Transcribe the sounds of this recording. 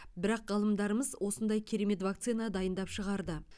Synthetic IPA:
bɪɾɑqʁɑlˠəmd̪ɑɾəməzwʔo̞sənd̪ɑjkʲʰeɾe̞me̞t̪vak̚t̪sinad̪ɑjənd̪ɑpʃəʁɑɾd̪ə

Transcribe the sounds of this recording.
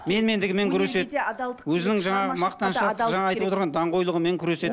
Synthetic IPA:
me̞nme̞nd̪ɪɡʲɪme̞ŋkʲʰʏɾe̞se̞t̪wɵzɪnɪŋʒɑɴɑʁəmɑqt̪ɑnʃʒɑɑɑjt̪əpot̪əɾʁɑnd̪ɑɴqo̞jlˠəʁəme̞ŋkʲʰʏɾe̞se̞t̪

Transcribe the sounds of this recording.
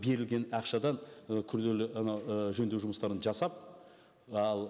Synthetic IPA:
be̞ɾɪlɡʲe̞nɑqʃɑd̪ɑnkʲʰʏɾd̪e̞lɪɑnɑəʒɵnd̪ewʒʊməst̪ɑɾənʒɑsɑp̚ | ɑlˠ

